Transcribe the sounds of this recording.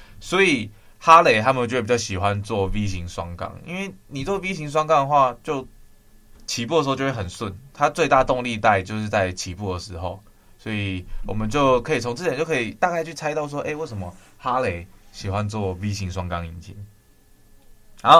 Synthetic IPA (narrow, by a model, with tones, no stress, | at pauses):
swɔ˧˥i˨˩ | ha˦le˨˩ɪt̪ʰa˦˥mə˨no˥˧˥pi˨˩t͡ɕʊɕi˨˩xwa˦nt͡swɔ˥˨vi˦˥ɕi˧˥ŋʂwɑ˦˥ŋkɑ̰˥ŋḭ˥nwe˥˩ɪni˨˩t͡swɔ˥˩wi˥ɕi˧˥ŋʂ̬wɑ˥ŋkɑ˥˩ŋd̪ə˩xwa˥˧t͡ɕjo˥˩ʊ | t͡ɕʰi˧˨p̬u˥˩də˩˧˥jo˥˧wxə˨˩nswə˥˩nt̪ʰa˥˦t͡swe˥˧t̪a˥˧t̪ʊ˥˧ŋli˥˧t̪a˥˧ɪt͡ɕjo˥˧ʊʂɻ̩˥˧t͡sa˥˩ɪt͡ɕʰi˧˥pu˥˩d̪ə˩ʂɻ̩˧˥xo˥˩ʊ | swɔ˧˥i˨˩wɔ˨˩mə˦nt͡ɕjo˥˩ʊkʰɤ˧˥i˨˩o˧˥ŋt͡sɤ˥˩˨t͡ɕjkʰːi˨˩t̪a˥˧ka˥˧ɪt͡ɕʰy˥˩t͡sʰa˥ɪt̪ɑ˥˧ʊs̬wɔ˥˧ʔe˥˧we˥˩ɪʂ̬ə˧˦mə˦ | xa˦le˨˧˦ɪɕi˨˩xwa˦nt͡swɔ˥˨˩vi˦˥ɕi˧˥ŋʂwa˥ŋkɑ˥ŋi˨˩nt͡ɕʰḭ˨˦ŋ | a˨˧˦